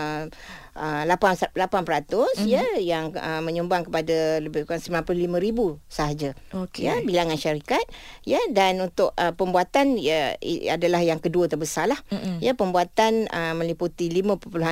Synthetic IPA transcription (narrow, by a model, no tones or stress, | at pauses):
əlapalapanpəɾat̪ʊsjəjaŋəmə̃ɲumbaŋkəpadaləbɪkansəmilanpəlʊhlimə̃ɾibusaɦad͡ʒaojəbilaŋanʃaɾikat̪̚jədanunt̪ʊʔəpəmbuat̪an̰ | a̰dalahjaŋkəduət̪əbəsalahjapəmbuat̪anəmə̃liput̪ilimə̃pəpuluɦa